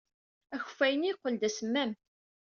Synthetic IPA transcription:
æçə̥fːæjəniqːəld̪æsəmːæm

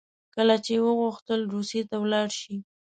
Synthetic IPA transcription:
kəlat͡ʃewəɣuxt̪əlɾusjet̪awlɑɽʃi

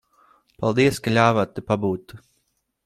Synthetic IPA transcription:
palˠd̪iɛskalʲaːvat̪ːupabuːt̪ːu

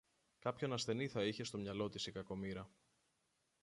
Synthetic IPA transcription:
kɐpço̞nɐsθe̞niθɐiçe̞st̪o̞mɲɐlo̞t̪isikɐko̞miɾɐ

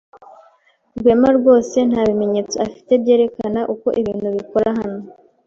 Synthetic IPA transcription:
ɾɡwe̞ːmaɾɡo̞ːse̞n̥haːβime̞ɲe̞ːt͡soafi̥te̞bɟe̞ːɾe̞kanaʔuko̞ʔiβiːnhuβiko̞ɾaɦano

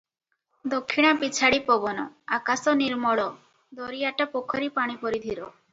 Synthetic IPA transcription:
d̪okʰːiɽ̃apit͡ʃʰaɽipɔbɔnɔakasɔniɾmɔɭɔ | d̪ɔɾiaʈapokʰɔɾipaɽ̃ipɔɾid̪ʱiɾɔ

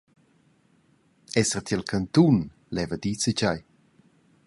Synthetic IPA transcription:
ɛsərt̪ʰɛlkʰant̪un | lɛvəd̪it͡sət͡ɕaj

